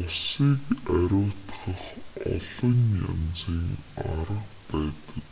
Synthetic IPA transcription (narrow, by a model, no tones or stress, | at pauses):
ʊsiːkæɾʲʊːt̪χə̆χɔ̰ɮɞ̆nja̰nt͡siːŋaɾə̆qpæːt̪ə̥̆k